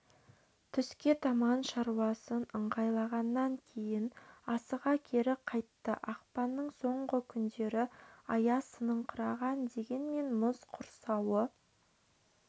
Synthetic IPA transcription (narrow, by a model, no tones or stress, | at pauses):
t̪ʰʏskʲe̞t̪ʰɑmɑnʃɑɾwɑsənəɴʁɑjlˠɑʁɑnːɑŋkʲʰe̞jɪnɑsəʁɑkʲʰe̞ɾɪqʰɑjt̪ːə̰ʔɑqpɑnːəɴso̞ɴʁəkʲʰʏnd̪e̞ɾɪɑjɑsənəɴqʰəɾɑʁɑnd̪e̞ɡʲe̞nme̞nmʊzqʰʊɾsɑwə